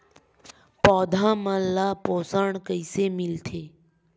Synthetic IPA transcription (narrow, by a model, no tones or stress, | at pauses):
pɔːd̪ʱãːmə̃lapoːsəɳkəɪsemɪlt̪ʰeː